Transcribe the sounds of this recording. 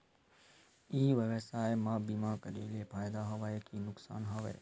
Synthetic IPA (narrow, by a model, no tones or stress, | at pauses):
iːʋəʋəsaːemãːbimãkəɾiːlepʰaːjd̪aɦɐʋaːekinʊksa̰ːnɦoʋḛː